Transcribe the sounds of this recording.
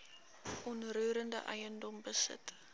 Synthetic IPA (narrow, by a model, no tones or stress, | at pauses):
ʔɔnruːɾəndəʔɐ̰jəndɔmbəsə̰t